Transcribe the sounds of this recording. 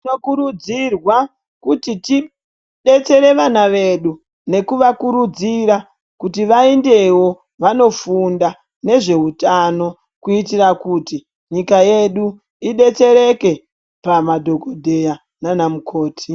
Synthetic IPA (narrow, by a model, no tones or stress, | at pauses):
okuɾud͡zirwa | kutiti | ɗe̞t͡se̞ɾe̞ʋanaʋe̞ɗu | ne̞kuʋakuɾud͡zira | kutiʋaende̞wo̞ | ʋano̞funda | ne̞ʐe̞ɦutano̞ | kuit̬irakuti | ɲikaje̞ɗu | iɗe̞t͡se̞ɾe̞ke̞ | pamadʱo̞kodʱe̞ja | nanamukʰo̞ːtʰi